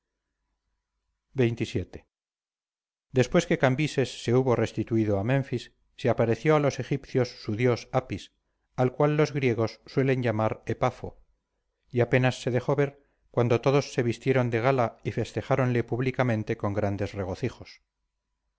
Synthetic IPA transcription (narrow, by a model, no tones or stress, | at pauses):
be̞jnt̪isje̞t̪e̞̥ | d̪e̞spwe̞ske̞kambise̞sːe̞uβo̞re̞st̪it̪uiðoamẽ̞ɱfisː | eapaɾe̞θjo̞alo̞se̞xipθjo̞sːuðjo̞sapis | alkwalːo̞zɣɾje̞ɣ̞o̞sːwe̞le̞ɲʝamaɾepafo | iape̞nasːe̞ðe̞xo̞βe̞ɾ | kwand̪o̞t̪o̞ðo̞sːe̞βist̪je̞ɾo̞nd̪e̞ɣalaife̞st̪e̞χaɾo̞nle̞puβlikamẽnt̪e̞ko̞ŋɡɾand̪e̞sre̞ɣo̞θixo̞s